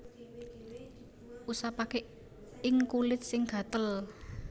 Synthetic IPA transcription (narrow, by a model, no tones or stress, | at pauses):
ʔusapake | ɪŋkulɪt̪̚sɪŋɡ̥ä̤t̪əl